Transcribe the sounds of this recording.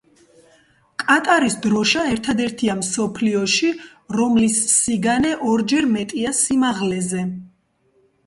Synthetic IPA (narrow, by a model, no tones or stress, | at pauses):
kʼat̪ʼaɾisd̪ɾɔʃaɛɾt̪ʰad̪ɛɾt̪ʰiamsɔpʰliɔʃi | ɾɔmlisːiɡanɛʔɔɾd͡ʒɛɾmɛt̪ʼiasimaʁlɛzɛ